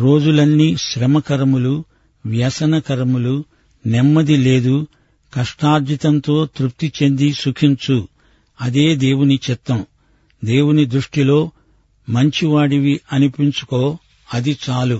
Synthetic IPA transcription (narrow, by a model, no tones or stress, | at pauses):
ɾo̞ːd͡ʒulɐnːiːʃɾɛmɐkɐɾɐmulu | ʋjɐsɐnɐkɐɾɐmulu | nɛmːɐd̪ile̞ːd̪u | kɐʂʈaːɾd͡ʒ̪ʱit̪ɐnt̪o̞ːt̪ɾup̚t̪it͡ʃe̞nd̪isukʰiɲt͡ʃu | ɐd̪eːd̪e̞ːwunit͡ʃɛt̪ːɐm | d̪e̞ːwunid̪ɾuʂʈilo̞ː | mɐɲt͡ʃiʋaːɽiʋiʔɐnipiɲt͡ʃu̥ko̞ː | ɐd̪it͡ʃaːlu